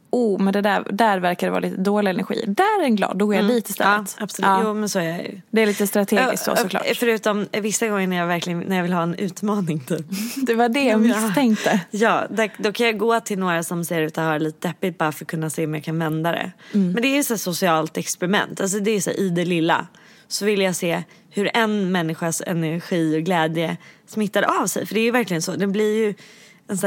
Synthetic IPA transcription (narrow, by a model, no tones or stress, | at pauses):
uːmɛnd̪ɛd̪æɾd̪æɾvæɾkad̪ɛvɑ̰ɾalḭːt̪əd̪oːlɪaɛnæ̰ɾɧḭːd̪æɾɛɾɛnɡlɑ̰ːd̪ːɔɡɔːɾjad̪iːt̪əɪst̪ɛ̰ːət̪abslːjuːmɛnsɔæɾjajɵ̰d̪ɛæɾliːt̪əst̪ɾat̪ʰeɡɪ̰sksɔ̰sɔklɑ̰ːfœɾʉ̟ːt̪ɔmvɪsːaɡɔŋːəɳæjaːvæɾklɪɡənnæɾjaːvɪlɦɑːɛnʉ̟ːt̪mɑːnɪŋt̪ʰyːpd̪ɛvaɖɛɔmsʰɛŋkt̪əjɑːd̪æd̪ɔkʰanjaɡoːt̪ʰɪlnoːɾasɔmseːɾʉ̟ːt̪ahaɾɭiːt̪əd̪ɛpːɪt̪̚baɾfœɾɔkʰɵnːaseːɔmjakʰanvɛnd̪ad̪ɛ̰mɛnd̪ɛæjɵt̪sæːsʊsɪɑːlt̪ɛkspɛɾɪmɛ̰nt̪ʰals̬ɔd̪ɛːjʏsæ̰ːɾʔɪd̪ɛlɪlːa̰ | sɔvɪlːjaseː | hɵɾɛnmɛnːɪɧasɛ̰nɛɾɧiːɔɡlɛːd̪jəsmɪt̪ːaɾʔavsɛ̰jfœɖɛæɾjɵvæɾklɪɡənsɔːd̪ɛblɪɾjɵ | ɛns